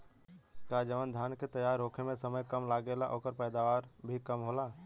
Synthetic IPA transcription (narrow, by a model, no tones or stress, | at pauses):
kaːd͡ʒəʋənd̪ʱjaːnket̪əjaːɾɦoːkʰemẽsəməjkəmlaːɡelaʔoːkəɾpɛːd̪aːʋaːɾbʱikəmɦoːlaː